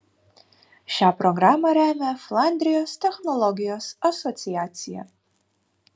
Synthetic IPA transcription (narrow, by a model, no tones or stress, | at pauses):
ʃaːproɡramɐɾæmɐflˠand̪rijostʰexnolˠoɡijosasot͡sijaːt͡sija̰